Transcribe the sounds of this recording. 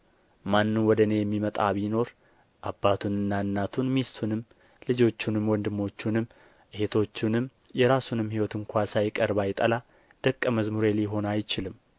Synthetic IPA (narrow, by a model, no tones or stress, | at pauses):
manːɨnwɔd̪əne̞jɛmːimət̪ʼa̰βino̞ɾ | ʔabːat̪ʰunɨnːaɨnːat̪ʰunmist̪ʰunɨm | lɨd͡ʒo̞t͡ʃːunɨmwɔnd̪ɨmːo̞t͡ʃːunɨm | ʔɨhet̪ʰo̞t͡ʃːunɨm | jɛɾasunɨmhiwɔt̪ʰɨŋkʷʰasajɪkʼəɾbajɪt̪ʼəla | d̪̥əkʼːəməzmuɾeliɦo̞najt͡ʃɪlɨm